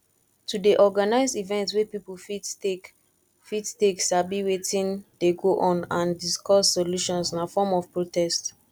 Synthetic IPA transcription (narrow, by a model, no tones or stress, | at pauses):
tudeʔɔɡanaɪzdivɛ̃ntswɛpipufi | fitteksabiwetĩnd̥eɡoʔɔ̃nãndiskɔsːɔluʃɔ̃nsinafɔmɔfpɹotɛst